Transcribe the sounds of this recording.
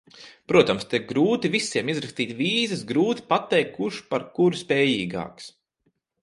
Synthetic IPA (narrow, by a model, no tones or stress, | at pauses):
pɾuɔt̪amst̪eɡɾuːt̪ivisːiɛmizɾɐkst̪iːt̪ʲviːzɐsɡɾuːt̪i̥pat̪ːɛjkʰːuʃpaɾkuɾspɛːjiːɡa̰ːks